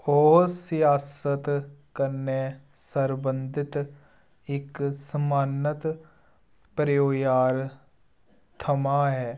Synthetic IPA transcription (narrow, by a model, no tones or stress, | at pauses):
ɔːsjaːsət̪kəɾne | səɾbə̃nd̪ʱɪt̪ | ɪksəmaːnət̪ | pɾjoːjaːɾ | t̪ʰəmaɦɛː